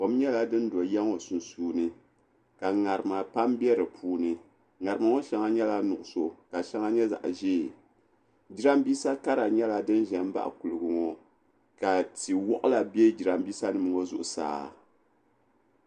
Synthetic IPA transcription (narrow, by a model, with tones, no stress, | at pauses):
ko˦m˦ɲɛ˦la˨dɨ˦n˦do˨jɛ˦ŋo˨su˨n˨suː˦nɨ˦ | ka˨ŋa˨ɾɨ˨ma˨pa˦mbɛ˦ɾɨ˨pʰuː˦nɨ˦ | ŋa˨ɾɨ˨ma˨ŋo˦ʃɛ˦ŋa˦ɲɛ˦la˦nʊ˨ʔʊ˨so˨ka˨ʃa˦ŋa˦ɲɛ˦za̰˨ʔʒeː˦˨ | d͡ʒi˦ɾa˦mbiː˦sa˦ka˦ɾa˨ɲɛ˦la˨dɨ˦n˦ʒɛ˨˦m˦ba̰˦˨ʔku˨lɨ˨ɡɨ˨ŋo˦ | ka˨ti˨wɔ˦ʔʊ˦la˨bɛ˦d͡ʒi˨ɾa˦mbiː˦sa˦nɨ˨mɨ˨ŋo˦zʊ̰˨ʔʊ˨sa̰ː˦